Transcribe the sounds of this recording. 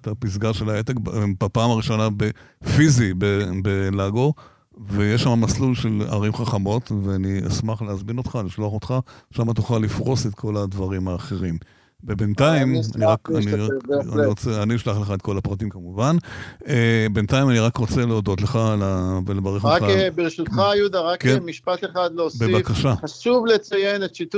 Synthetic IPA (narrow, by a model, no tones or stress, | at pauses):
tapis̬ɡaʁʃelaet̪ekbbapaːmaʁiʃo̞nabefizibebelaɡo̞ | vejeʃːamamaslulʃe̞la̰ʁimχaχamo̞tveania̰smaχleazmino̞t̪χaliʃloaχot̪χaʃamat̪oχalifʁo̞se̞t̪kʰo̞ladvaʁimaːχe̞ʁim | vebentaimaniʁakanianiʁot͡seaniiʃlaχleχaet̪̚ko̞lapʁatimkamuvanebentaimaniʁakʁot͡se̞leodo̞tleχalavelevaʁeχakbiʁʃut̪χajud̪aʁakemiʃpat̪eχad̪leosbebakaʃaχaʃuvlet͡sajenetʃitu